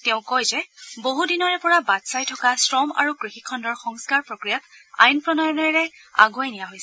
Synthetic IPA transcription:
tɛʊ̃kɔjzɛboɦudinɔɹɛpɔɹabatsajtʰɔkasɹɔma̰ɹukɹixikʰːɔndɔɹxɔŋskaɹpɹokɹijata̰jnpɹɔnɔjɔnɛɹɛ | a̰ɡoɛnijaɦojsɛ

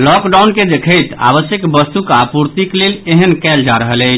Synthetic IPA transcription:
lɔkɖawnked̪ekʰəjt̪a̰βəsjəkbəst̪ukapuɾt̪ikleleɦənkɛld͡ʒaɾəɦələt͡ʃʰ

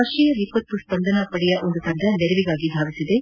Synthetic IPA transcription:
ɐʂijɐʋiːpɐt̪ːuspɐnd̪ɐnɐpɐɽɛjɐʔond̪ut̪ɐnd̪ɐnɛɾɛʋiɡaːɡib̪ʱaːʋisid̪e̞

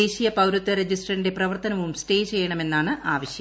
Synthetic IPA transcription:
eːɕijɐpɐwɾut̪ːɐɾed͡ʑisʈrɐrinde̞prɐʋɐrt̪ɐnɐʋumsʈe̞ːt͡ɕe̞jːɐɳɐme̞nːaːɳɨʔaːʋɐɕjɐ

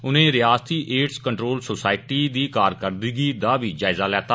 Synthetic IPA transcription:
ʊnẽːɾɪjaːst̪iːʔeːʈskəɳʈɾoːlsoːsaːɪʈiːd̪iːkaːɾkəɾd̪iːɡiːd̪aːbiːd͡ʒaːɪzaːlɛːt̪aː

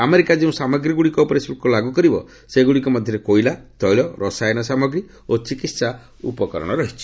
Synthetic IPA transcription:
ameɾikad͡ʒeũsamɔɡɾiɡuɽikɔpɔɾesbukɔlaɡukɔɾibɔ̰ | seɡuɽikɔmɔd̪ʱjɔɾekojlat̪ɔjlɔɾɔsajnɔsamɔɡɾi | ot͡ʃikit̪sa | ṵpɔkɔɾɔ̰ɽ̃ɔɾɔɦit͡ʃʰi̥

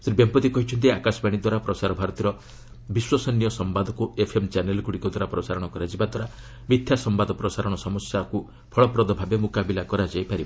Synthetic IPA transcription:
sɔɾibjempɔt̪ikɔɦit͡ʃʰɔnt̪̬iakasɔbaɽ̃id̪waɾapɾɔsaɾɔbʱaɾɔt̪iɾɔ | biswɔsɔnjɔsɔmbad̪ʱɔkuepʰemt͡ʃanelɡuɽikɔd̪waɾapɾɔsaɾɔɽ̃ɔkɔɾad͡ʒibad̪waɾa | mit̪ʰjasɔmbad̪ɔpɾɔsaɾɔɽ̃ɔsɔmɔsjaku | pʰɔɭɔpɾɔd̪ɔbʱabemukabilakɔɾad͡ʒajpaɾibɔ

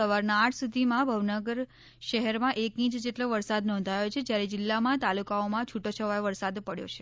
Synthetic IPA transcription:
əʋaɾnaːʈʰsud̪ʱimãbʱəʋnəɡəɾ | ʃəɦɛɾmãʔekĩt͡ʃd͡ʒeʈloʋəɾsad̪nɔ̃nd̪ʱajot͡ʃʰed͡ʒjaɾed͡ʒɪlːamãt̪alukaomãt͡ʃʰuʈot͡ʃʰəʋajoʋəɾsad̪pəɽjo̰t͡ʃʰe̥

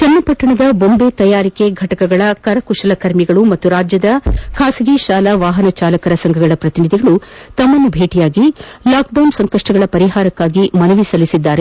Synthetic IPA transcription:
t͡ʃɐnːɐpɐʈːɐɳɐd̪ɐbo̞mbeːt̪ɐjaːɾike̞ɡʱɐʈɐkɐɡɐɭɐkɐɾɐkuʃɐlɐkɐɾmiɡɐɭumɐt̪ːuɾaːd͡ʒjɐd̪ɐkʰaːsiɡiʃaːlɐʋaːɦɐnɐt͡ʃaːlɐkɐɾɐsɐŋɡʱɐɡɐɭɐpɾɐt̪inid̪ʱiɡɐɭut̪ɐmːɐnːubʱeːʈijaːɡilaːk̚ɖɐwnsɐŋkɐʂʈɐɡɐɭɐpɐɾiɦaːɾɐkːaːɡimɐnɐʋisɐlisid̪ːaːɾe

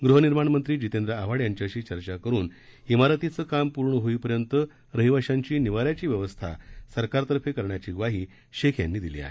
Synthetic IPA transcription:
ɡɾuɦəniɾmaɳmənt̪ɾiːd͡ʑit̪end̪ɾəaʋaɽjaɲt͡ɕaəɕiːt͡ɕəɾt͡ɕakəɾuːn | imaɾət̪it͡səːkampuɾɳəɦoiːpəɾjənt̪ə | ɾəɦiʋaɕaɲt͡ɕiːniʋaɾjat͡ɕiːʋjəʋəst̪ʰa̰səɾkaɾt̪əɾfekəɾɳjat͡ɕiːɡʋaɦiː | ɕekʰja̰nːiːd̪ilḭa̰ɦe

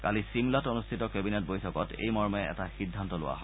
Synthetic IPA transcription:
kalisimlatonustʰitɔkɛbinɛt̚bojtʰɔkɔtḛjmɔɹmɛɛ̰taxidʱːantɔlʊ̰wa̰ɦɔ

